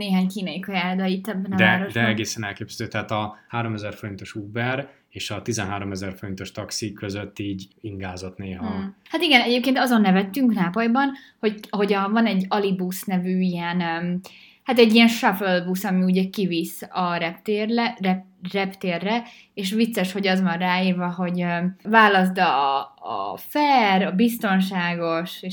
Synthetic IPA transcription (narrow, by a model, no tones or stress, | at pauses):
neːɦaːɲkiːnɒjikɒjaːd̪ɒit̪ːɛbːɛnɒd̪ɛːɾoʃd̪ɛɛɡeːsɛnɛlkeːpzɛd̪øːt̪ɛɦaːt̪ɒhaːɾo̞mɛzɛrfo̞ɾint̪o̞ʃuːbɛɾ | eːʃɒt̪izɛnɦaːɾo̞mɛzɛrfo̞ɾint̪o̞ʃt̪ɒksikøzøt̪ːiːɟiŋɡaːzo̞t̪neːɦɒhat̪iɡɛnɛɟeːp̚keːnt̪ɒzo̞nːɛvɛt̪ːyŋknaːpojbɒnho̞ɟɦo̞ɟɒvɒnɛɟːɒlibusnɛvyːijɛnøm | hat̪ɛɟːijɛnʃɒfølbusɒmiuɟɛkivisɒɾɛpt̪eːrɛɛrɛpt̪eːrːɛ | eːʃ̬ʋit̪sːɛʃho̞ɟɒzʋɒnraːiːrvɒɦo̞ɟøvaːlɒs̬d̪ɒ̰ː | fɛrɒbist̪o̞nʃaːɡo̞ʃe